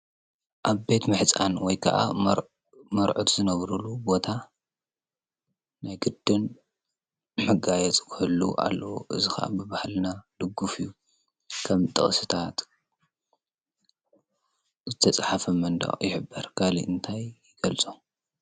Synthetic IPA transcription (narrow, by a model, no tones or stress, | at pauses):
ʔaβbe̞t̪mɨħt͡sʼanwɔjkʰɐʔa̰ | mɐɾʕot̪zɨnɐβɾulubo̞t̪ʰa | najɡɨd̪ːɨn | mɐɡajɛt͡sʼkʰɨhɨlːṵʔa̰lːɐwoʔɨzixɐ̰ʔa̰bɨβahlnalɨɡːufɨjːu | kʰɐmt̪ʼɨ̰χʼsɨt̪ʰat̪ | zɨt̪ʰɐt͡sʼħafɐmɐnd̪ɐ̰χʼjɪħɨbːɐɾkʰalḭʔɨnt̪ʰajjɪɡ̥ɐlt͡sʼu